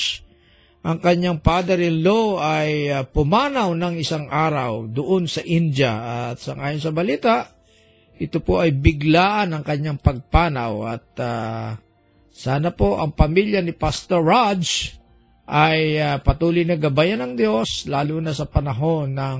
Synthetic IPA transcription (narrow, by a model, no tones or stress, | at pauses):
ʔɐŋkɐɲaŋpaːd̪ɐɾɪnloajpʊmaːnɐwnɐŋɪsaŋʔaːɾɐwd̪ʊʔonsɐʔind͡ʒjɐɐt̪sɐŋʔaːjonsɐbɐliːt̪aʔ | ʔɪt̪opoʔɐjbɪɡlaːʔɐnɐŋkɐɲːaŋpɐɡ̚paːnɐwɐ̰t̪̚a | saːnɐpo̞ʔɐŋpɐmiljɐnɪpast̪oɹːadd͡ʒ | ʔɐjapɐt̪uːlʊjnɐɡɐbajɐnɐŋd̪jo̞slaːlunɐsɐpɐnɐɦo̞nːɐŋ